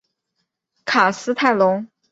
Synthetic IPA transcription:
kʰa˨˩sɹ̩˥t̪ʰa˥˩ɪlʊ˧˥ŋ

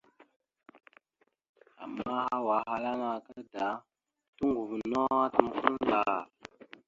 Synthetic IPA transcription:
a̰˨mːa˦ha˦wa˨˦ɦa˦la˦na˨kə˦da˨˦ | tu˦ŋɡu˨vnɔ˦a˦tə˨mku˦n˦la˨

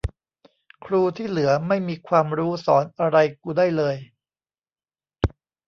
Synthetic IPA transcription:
kʰɾuː˧t̪ʰiː˥˩lɯ˩˦ɐma˥˩jmiː˧kʰwaː˧mɾuː˦˥sɔ̰ː˩˦nʔa˧ɾa˧jkuː˧daː˥˩jlɤː˧j

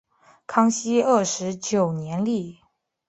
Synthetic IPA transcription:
kʰɑ˥ŋɕi˥ə˥˩ʂɻ̩˧˥t͡ɕjo˨˩ʊnjɛ˧˥nli˥˩

